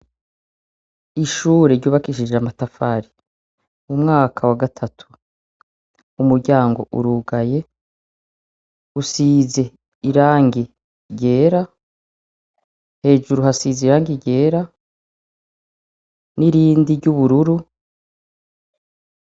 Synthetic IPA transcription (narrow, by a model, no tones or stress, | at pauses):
iʃuːɾeɾɟuːβakiʃid͡ʒamatafaːɾi | umŋaːkʰawaɡatʰatʰu̥ | umuɾɟaːŋɡo̞ʔṵɾuɡaje̞ | usize̞ | iɾaːŋɡi | ɟe̞ːɾa | he̞ːʒuɾuhasiːzeiɾaːŋɡiɟe̞ːɾa | niɾiːndiɾɟuβuɾuɾu